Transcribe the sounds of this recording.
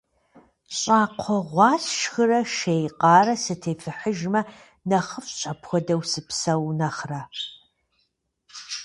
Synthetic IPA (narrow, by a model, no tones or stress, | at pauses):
ɕʼaːqʷʰɔʁʷɑːsʃxɨrɐʃejqɑːrɐsɨtʰeːfɨħəʒmɐ | nɐχəfɕʼɐpʰxʷɔdɐwsɨpsɐwnɐχra